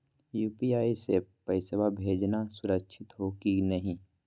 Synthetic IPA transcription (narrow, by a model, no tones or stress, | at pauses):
juːpiaːisepəɪsəbabʱeːd͡ʒnasʊɾəkʃʰɪt̪ɦoːkinɐɦĩ